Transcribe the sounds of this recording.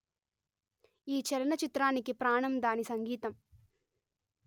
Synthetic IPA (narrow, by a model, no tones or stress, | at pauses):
iːt͡ʃɛlɐnɐt͡ʃit̪ɾaːnikipɾaːɳɐmd̪aːnisɐŋɡiːt̪ɐm